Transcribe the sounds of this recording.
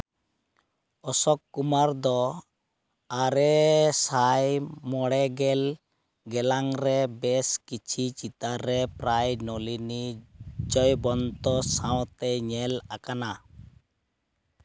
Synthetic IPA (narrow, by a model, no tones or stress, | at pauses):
ɔsɔkːumaɾd̪ɔ | aɾɛsajmɔɽɛɡɛl | ɡɛlaŋɾɛbɛskit͡ʃʰit͡ʃit̪aɾːɛpɾajnɔlinid͡ʒɔjbɔnt̪ɔsawt̪ɛɲɛlakana